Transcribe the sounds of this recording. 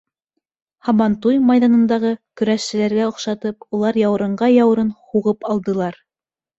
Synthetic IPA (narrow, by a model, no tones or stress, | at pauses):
hɑβɑnt̪ujmɑjðɑnɤ̆nd̪ɑʁɤkɵ̆ɾæʃsɘ̆læɾɡæŏχʃɑt̪ɤpulˠɑɾjɑwɤ̆ɾɤ̆ɴɢɑjɑwɤ̆ɾɤnhuʁɤpɑlˠd̪ɤ̆lˠɑɾ